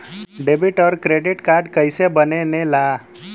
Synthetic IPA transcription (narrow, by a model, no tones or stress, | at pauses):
ɖebiʈɔɾkɾeɖiʈkaɾɖkəjsebənenela